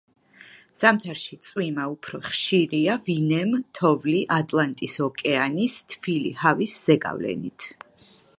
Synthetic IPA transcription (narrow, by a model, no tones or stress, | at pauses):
z̥amt̪ʰaɾʃit̪sʼwimaupʰɾɔχʃiɾiavinɛmt̪ʰɔvliʔat̪ʼlˠant̪ʼisɔkʼɛanist̪ʰfʰilḭhavisz̥ɛɡa̰vlɛ̰nit̪ʰ